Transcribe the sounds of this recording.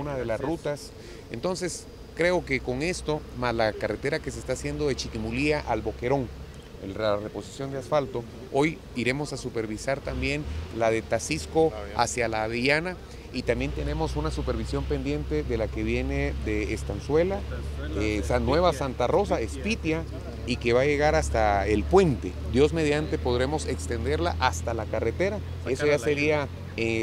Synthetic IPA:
unaðe̞lasrut̪as | e̞̰nt̪o̞nse̞s | kɾe̞o̞ke̞ko̞ŋe̞st̪o̞maslakare̞t̪e̞ɾake̞s̬est̪asje̞nd̪o̞ðe̞t͡ʃikimuliaʔalβo̞ke̞ɾo̞ŋ | ḛrarepo̞si̥sjo̞nd̪easfalt̪o̞ | o̞j | iɾe̞mo̞sasupe̞ɾβisaɾt̪ambje̞nlaðe̞t̪asisko̞a̰sjalaːðeʝana | it̪ambje̞nt̪e̞ne̞mo̞sunasupe̞ɾβisjo̞mpend̪je̞nt̪e̞ðe̞lake̞βje̞ne̞ðe̞ːst̪answe̞laesanːwe̞βasant̪aro̞sae̞spit̪ja | ike̞βaʝe̞ɣaɾast̪aelpwe̞nt̪e̞d̪jo̞zme̞ð̞jant̪e̞po̞ðɾe̞mo̞se̞kst̪e̞nd̪e̞ɾlaʔast̪alakare̞t̪e̞ɾa | e̞soʝase̞ɾia | e

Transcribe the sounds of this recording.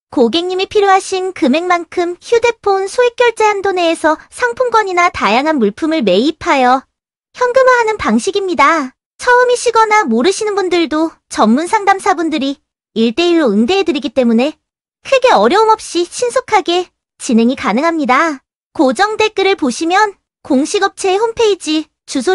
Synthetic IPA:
koɡe̞ŋɲimipʰiɾjoɦaɕʰinkɯme̞ŋmankʰɯmçude̞pʰonsʰoek̚k͈jʌɭt͡ɕ͈eɦandone̞ːsʰʌsʰaŋpʰuŋɡwʌɲinatajaŋɦanmuɭpʰɯmɯɭme̞ipʰajʌ | çjʌŋɡɯmɯɦanɯnpaŋɕʰiɡimɲida | t͡ɕʰʌɯmiɕʰiɡʌnamoɾɯɕʰinɯnbundɯɭdo | t͡ɕʌmːunsʰaŋdamsʰabundɯɾi | iɭt͈e̞iɾoɯndeedɯɾiɡit͈e̞mune̞ | kʰɯɡe̞ʌɾjʌumʌp̚ɕ͈iɕʰinsʰokʰaɡe̞ | t͡ɕinɦe̞ŋikanɯŋɦamɲida | kod͡ʑʌŋde̞k͈ɯɾɯɭpoɕʰimjʌn | koŋɕʰiɡʌp̚t͡ɕʰeːhompʰe̞id͡ʑi | t͡ɕusʰo

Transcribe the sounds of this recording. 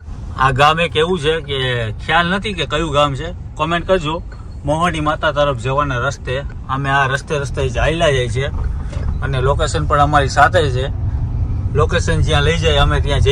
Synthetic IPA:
aɡamekeʋũt͡ʃʰekekʰjalnət̪ʰikekəjũɡaːmt͡ʃʰe | kɔmẽɳʈ̚kəɾd͡ʒo | moɦəɽimat̪at̪əɾəpʰd͡ʒeʋanaɾəst̪e | əmẽaɾəst̪eɾəst̪ed͡ʒailad͡ʒajt͡ʃʰe | ənelokesənpəɳəmaɾisat̪ʰet͡ʃʰe | lokeʃənd͡ʒɪjãləid͡ʒajəmẽt̪ɪjãd͡ʒ

